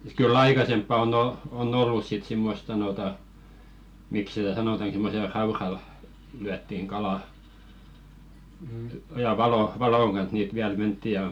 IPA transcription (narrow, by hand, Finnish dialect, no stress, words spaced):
kylː ɑikɑsempːɑ on o on olːus sit simːost sɑnoˑtɑ mik sitæ sɑnotɑn̞ simːosel rɑurɑl lyætːiŋ ɡ̊ɑlɑˑ jɑ ʋɑlo ʋɑloŋ ɡ̊ɑn̞s niːt ʋiæl mentːi jɑ